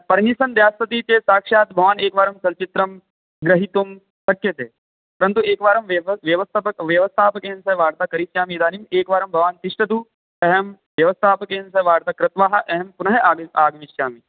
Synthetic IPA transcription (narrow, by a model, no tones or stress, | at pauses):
pɐɾnisɐnd̪jaːsɐt̪iːt͡ʃeːsaːkʂaːt̪bʱɐʋaːneːkʋaːɾɐmt͡ʃɐlt͡ʃit̪ɾɐm | ɡɾɐɦit̪um | sɐkːjɐt̪eː | pɐɾɐnt̪ueːkʋaːɾɐmʋʋjɐʋɐst̪ʰɐpɐʋjɐʋɐst̪ʰaːpɐkeːnsɐʋaːɾt̪akɐɾiʃjaːmiːd̪aːnimeːkʋaːɾɐmbʱɐʋaːnt̪iʂʈɐt̪u | ɐɦɐm | ʋjɐʋɐst̪ʰaːpɐkeːnsɐʋaːɾt̪akɾɪt̪ʋaːɦɐ̆ʔɐɦɐmpunɐɦeaːɡaːɡʋiʃjaːmi